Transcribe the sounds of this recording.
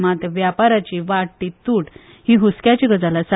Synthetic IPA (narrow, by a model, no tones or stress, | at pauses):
mat̪ɾəʋjapaɾat͡ɕiʋaɽʈːit̪uʈ | hiɦuskjat͡ɕikəd͡zalasa